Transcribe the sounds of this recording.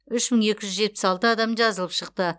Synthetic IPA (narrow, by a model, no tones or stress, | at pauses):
ʏʃməɴe̞kʲɪʒʏzʒe̞t̪̚pɪsɑlˠt̪əɑd̪ɑmʒɑzəlˠəpʃəqt̪ə